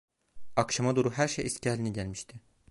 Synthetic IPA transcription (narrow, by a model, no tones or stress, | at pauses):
akʃamad̪oɾuɦæɾʃejisciælʲiniɟælʲmiʃt̪ʰɪ